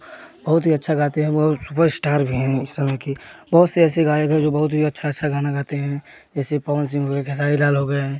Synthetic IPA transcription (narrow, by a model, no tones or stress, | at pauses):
bɐɦʊt̪ɦiɐtːʃʰaɡaːt̪eɦɛ̃bɔɦt̪supəɾsʈaːɾbʱiɦɛ̃ɪsːɐməjkibɐɦʊt̪seɛːseɡaːjəkɦɛ̃d͡ʒoːbɐɦʊt̪ɦiɐtːʃʰaətːʃʰaɡaːnaɡaːt̪eɦɛ̃ | d͡ʒɛːsepaːʋəns̬ɪ̃ŋɡʱɦoɡekʰes̬aːilaːlɦoɡəeɦɛ̃ː